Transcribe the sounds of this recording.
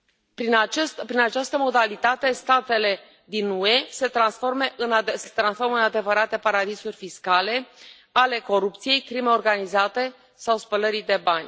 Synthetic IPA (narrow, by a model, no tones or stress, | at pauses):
pɾinat͡ʃespɾinat͡ʃast̪əmo̞d̪alit̪at̪e̞st̪at̪e̞le̞ | d̪inue̞se̞t̪ɾansfo̞rme̞ʔɨnset̪ɾansfo̞rmɨnad̪e̞vəɾat̪e̞paɾad̪isurʲfiskale̞ | ale̞ko̞ɾupt̪sije̞jkɾime̞o̞rɡanizat̪e̞ | sawspələɾid̪e̞banʲ